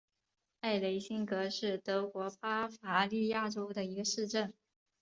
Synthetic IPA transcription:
a˥˩ɪle˧˥ɪɕi˥nkɤ˧˥ʂɻ̩˥˩t̪ɤ˧˥kwɔ˧˥pa˥fa˧˥li˥˧ja˥˩ʈ͡ʂo˥ʊd̪ə˨i˧˥ɡə˧ʂɻ̩˥˧ʈ͡ʂə˥˩n

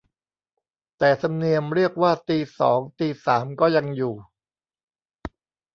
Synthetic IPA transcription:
t̪ɛː˨˩t̪ʰa˧mni˧əmɾi˥˩ək̚waː˥˩t̪iː˧sɔ̰ː˩˦ŋt̪iː˧saː˩˦mkɔː˥˩ja˧ŋjuː˨˩

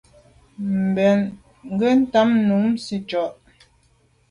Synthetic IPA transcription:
m̩˨bɛ˨n | ŋ̩˦ɡə˦n̩˦ta˦mnu˨˦msi˦t͡ʃɔ˨ʔ

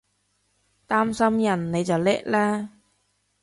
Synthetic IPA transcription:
t̪aː˥msɐ˥mjɐ˨˩nne˨˧jt͡sɐ˨˩wlɛː˥k̚lɛː˥

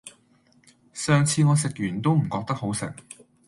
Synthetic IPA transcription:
sœː˨˧ŋt͡sʰiː˧ŋɔː˨˧s̬ɪ˨k̚jyː˨˩nt̪o˥wm̩˨˩kɔː˧k̚t̪ɐ˥k̚ho˨˥wsɪ̰˨˩ŋ

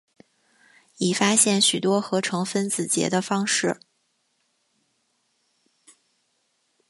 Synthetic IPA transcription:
i˨˩fa˥ɕjɛ˥˩nɕy˨˩t̪wɔ˥xɤ˧˥ʈ͡ʂʰɤ˧˥ŋfə˥nt͡sɹ̩˨˩t͡ɕjɛ̰˧˥d̪ə˧fɑ˥ŋʂɻ̩˥˩

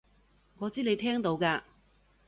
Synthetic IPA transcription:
ŋɔː˨˧t͡siː˥ne˨˧jt̪ʰɛː˥ŋt̪o˨˧wkaː˧

